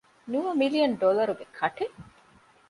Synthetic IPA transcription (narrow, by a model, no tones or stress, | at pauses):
nuʋɐmilijɐɳɖolɐɾuɡekʰɐʈe